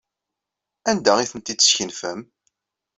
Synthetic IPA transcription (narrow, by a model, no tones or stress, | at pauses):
ænd̪æʁiθənt̪id̪sçənfæm